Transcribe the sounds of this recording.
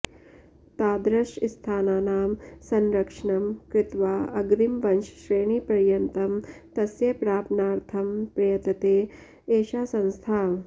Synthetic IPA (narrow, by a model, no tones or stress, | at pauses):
t̪aːd̪ɾɐʂist̪ʰaːnaːnaːmsɐnɾɐkʂɐɳɐmkɾɪt̪ʋaːɐɡɾimʋɐnʃʃɾeːɳiːpɾɐjɐnt̪ɐmt̪ɐsjɐpɾaːpnaːɾt̪ʰɐmpɾɐjɐt̪ɐt̪eː | eːʃaːsɐ̃nst̪ʰaː